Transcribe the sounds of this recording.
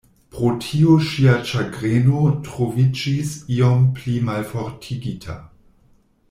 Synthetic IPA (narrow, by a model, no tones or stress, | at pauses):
pɾotʰioʃiat͡ʃaɡɾenotɾovid͡ʒisiomplimalfoɾtʰiɡitʰa̰